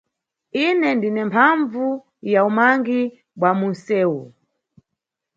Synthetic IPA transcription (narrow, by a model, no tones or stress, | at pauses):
inɛndinɛmpʰaɱvu | jaumaŋɡi | ɓwamunsɛːu